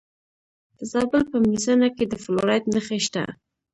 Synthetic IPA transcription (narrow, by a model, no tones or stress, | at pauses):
d̪̥əzɑbəlpəmizanaked̪əfloɾɑjt̪nəxeʃt̪a̰